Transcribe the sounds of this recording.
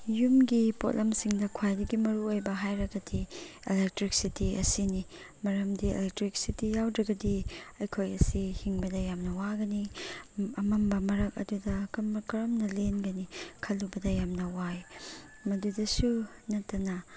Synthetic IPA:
jumɡipo̰tlʔɐmsiŋdɐkʰwajdɐɡimɐɾuojbɐɦajɾɐɡɐdielek̚tɾik̚sitiɐ̰sini | mɐɾɐmdiḛlek̚tɾik̚sitijawdɾɐɡɐdiɐjkʰojɐsihiŋbɐdɐjamnɐwaɡɐni | ɐmɐmbɐmɐɾɐk̚ɐ̰dudɐkmkɐɾɐmnɐlenɡɐnikʰɐlːubɐdɐjamnɐwaj | mɐdudɐsu | nɐtːɐnɐ

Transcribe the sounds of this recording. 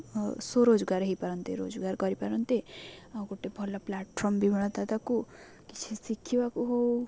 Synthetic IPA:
soɾod͡zɡaɾɦijpaɾʌnt̪ḛɾo̰d͡zɡarɡʌɾipaɾʌnt̪eɡoʈːebʱɔlːaplaʈpʰɔmbibiɽ̃ɔd̪ad̪aku | ki̥t͡ʃʰisikʰːibakuɦow

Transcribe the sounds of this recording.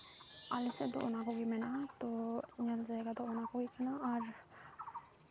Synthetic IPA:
a̰lised̪o̰ʔo̰nakoɡimɛnat̪oɲəld͡ʒaeɡad̪oonakoɡikʰɛnaɔɾ

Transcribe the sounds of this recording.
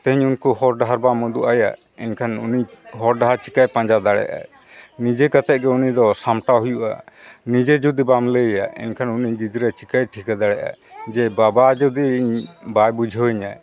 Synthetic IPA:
t̪ɛɦiɲunkuhɔɾɖaɦaɾbamud̪uʔaja̰ | ɛɲkʰanuniɦɔɾɖaɦaɾt͡ʃikajpãɲd͡ʒad̪aɽɛ̰ʔa̰ | nid͡ʒɛkat̪ɛʔ̚ˀɡɛunid̪ɔsamʈaɦujuʔa̰nid͡ʒɛd͡ʒud̪ibamlɛja̰ɛ̰nkʰanuniɡid͡ʒɾat͡ʃikajʈʰikad̪aɽɛʔa̰d͡ʒɛbabad͡ʒud̪iɲbajbud͡ʒʱɔiɲa

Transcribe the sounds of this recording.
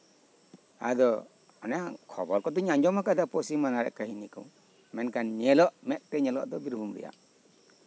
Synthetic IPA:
a̰d̪ɔ | ɔnajakʰɔbɔɾkɔd̪ɔɲaɲd͡ʒɔmhakad̪apɔsimanaɾɛ̰ʔkaɦinikɔ̰w | mɛnkanɲɛlɔʔmɛk̚t̪ɛɲɛlɔ̰ʔd̪ɔbiɾbʱumɾɛ̰ja̰

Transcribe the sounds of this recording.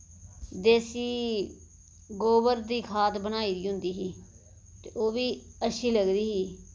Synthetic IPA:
d̪eːsiː | ɡoːbəɾd̪iːkʰaːt̪bənaːiːd̪iːɦʊ̃nd̪iːɦiː | t̪eʔoːʋiːəʃiːləɡd̪iːɦiː

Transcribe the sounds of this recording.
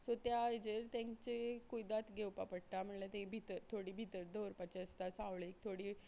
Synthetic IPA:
sot̪jaːjd͡ʑeɾt̪ãŋkt͡ɕekujd̪at̪ɡʱewpapəɽ̚ʈam̤əɳlat̪ẽbʱit̪əɾt̪ʰoɽiːbʱit̪əɾd̪oɾpat͡ɕeəst̪asãwɭek̚t̪ʰoɽi

